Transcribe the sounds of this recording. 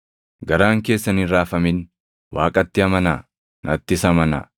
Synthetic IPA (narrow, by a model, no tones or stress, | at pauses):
ɡɐɾaːŋke̞ːsːɐnɪɾaːfɐmɪn | waːkʼɐt̪ːɪɐmɐnaː | nɐt̪ːɪsɐmɐna̰ː